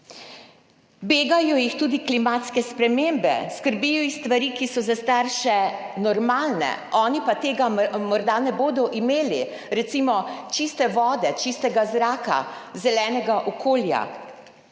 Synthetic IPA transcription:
beːɡajɔjixt̪uːd̪iklimaːt̪skɛspɾɛmeːmbɛ̰skəɾbijɔixst̪ʋaɾiːkisɔzast̪aɾʃɛnɔɾmaːlnɛ̰ɔːnipat̪eːɡamɔɾd̪anɛboːd̪ɔʔimeːli | ɾɛt̪simɔt͡ʃist̪ɛʋɔːd̪ɛt͡ʃist̪ɛɡazɾaːka̰zɛlɛːnɛɡaʔɔkoːlja̰

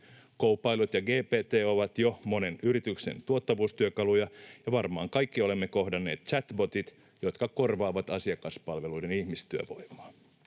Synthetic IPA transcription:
kowpːˑɑilut̪jɑɡeːpeːt̪eːo̞ʋɑt̪jomo̞ne̞nyɾit̪yksḛnt̪uot̪ːɑʋuːst̪yøkɑlujɑjɑʋɑrmɑːŋkɑjkːio̞le̞mːeko̞hdɑnːe̞ːt̪̚t͡ʃæt̪bo̞t̪it̪ | jo̞t̪kɑko̞rʋɑːʋɑt̪ɑsiɑkɑspɑlʋe̞lujde̞nihmist̪yø̰ʋo̞̰jmˑɑ̥ː

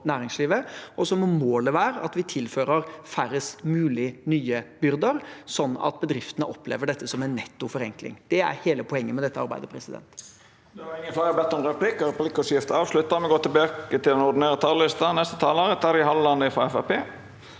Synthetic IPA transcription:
næːɾɪŋsliːʋəɔsɔmɔmoːləʋæːɾəɑ̰t̪ʋɪt̪ʰɪlføːɾəɾfæɾəsmʉːlɪnyːəbʏɾd̪əɾsɔnːɑ̰t̪̚bəd̪ɾɪft̪ənəʔɔpːlḛːʋəɖɛt̪ːəsɔmɛnːɛt̪ːʊfɔɾɛŋklɪ̰ŋd̪̥ɛæ̰ɾheːləpʰɔɛŋːənmɛd̪ɛt̪ːəɑɾbæ̰ɪd̪əpʰɾɛsɪd̪ɛ̰nt̪ | d̪ɛʋɑɪŋːənflæːɾəbɛt̪ːɔmɾɛpʰlɪkəɾəpʰlɪkːɔsjɪft̪əɑːʋʂlʉt̪ːɑmɛɡoːt̪ʰɪlbɑːkət̪ɪlɛnɔɖ̪ɪneːɾət̪ʰɑːllɪst̪ɑnɛst̪ət̪ʰɑːloːɾət̪ʰæɾɪhɑləlɑnːəɪfɑɛfæpeː

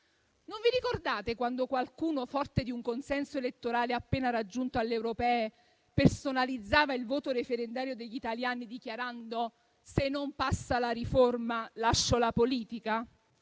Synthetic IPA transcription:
noɱviɾikord̪aːt̪ekwand̪okwalkuːnofɔrt̪ed̪iuŋkonsɛnsoelet̪ːoɾaːleapːeːnaɾad͡ʒːunt̪oalːeewɾopɛːe | personalid̪zːaːvailvoːt̪oɾefeɾend̪aːɾjod̪eʎːit̪aljaːnid̪ikjaɾand̪o | senːompasːalaɾiformalaʃːolapoliːt̪ika

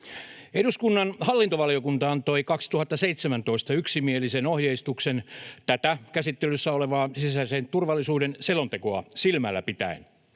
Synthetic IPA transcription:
eduskunːɑnhɑlːint̪oʋɑliokunt̪ɑɑnt̪oikɑkst̪uhɑt̪ːɑseit̪semænt̪o̞ist̪ɑyksimielisenohjeist̪uksent̪æt̪ækæsit̪ːelysːæoleʋɑːsisæsent̪urʋɑlːisuːdenselont̪ekoɑsilmælːæ̰pit̪æ̰en

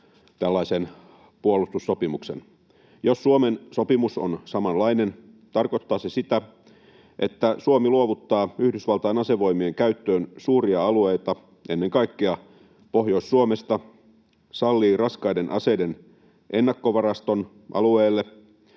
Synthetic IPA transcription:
t̪ælːæisen | puolust̪usːopimuksḛn | josːuomenso̞pimuso̰nsɑmɑnlɑine̞n | t̪ɑrko̞t̪ːɑːsesit̪æ | ʔet̪ːæsuomiluoʋut̪ːɑːyhdysʋɑlt̪ɑjenɑseʋo̞imieŋkæyt̪ːøːnsuːriɑɑluejt̪ɑ | ʔenːe̞ŋkɑikːeɑ | po̞ɦjo̞isːuomest̪ɑ | sɑlːiːrɑskɑjdenʔɑ̰seden | ʔenːɑkːo̞ʋɑrɑst̪on | ʔɑ̰lueːlːe

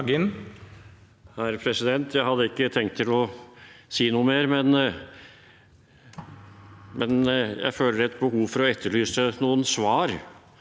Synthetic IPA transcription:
ɡɪn | hæɾpʰɾɛsɪd̪ɛnt̪ʰjæɪhɑd̪ːəɪkːət̪ʰɛŋkt̪ʰːɪlɔsiːnuːəmeːɾmɛn | mʔɛnjæ̰ɪføːləɛt̪̚bəhuːʋfɔɾɔɛt̪ʰːəɭyːsənuːənsʋɑːɾ

